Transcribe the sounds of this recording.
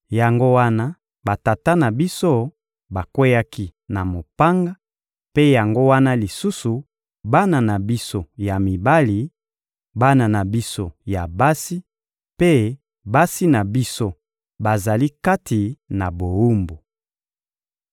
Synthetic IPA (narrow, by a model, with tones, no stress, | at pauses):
ja˨ŋɡo˦wa˦na˦ | ba˨ta˨ta˦na˨bi˦so˦ | ba˨kwe˦ja˦ki˦na˨mo˨pa˦ŋɡa˦ | pe˦ja˨ŋɡo˦wa˦na˦li˨su˦su˨ | ba˦na˨na˨bi˦so˦ja˨mi˨ba˦li˨ | ba˦na˨na˨bi˦so˦ja˨ba˦si˦ | pe˦ | ba˦si˦na˨bi˦so˦ | ba˨za˨li˦ka˦tʰi˨na˨bo˨wu˦mbu˨